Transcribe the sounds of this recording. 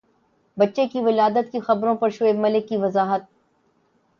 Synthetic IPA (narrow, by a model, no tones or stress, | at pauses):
bɐtːʃekiʋɪlaːd̪ət̪kixɐbɾõpɐɾʃʊemɐlɪkːiʋɐzaːɦət̪̚